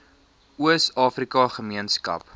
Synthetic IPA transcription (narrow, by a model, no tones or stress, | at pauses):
uəsɑːfrikɐχəmiənskɐ̰p